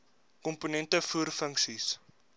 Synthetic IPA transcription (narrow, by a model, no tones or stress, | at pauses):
kɔmpunɛntəfuərfəŋksis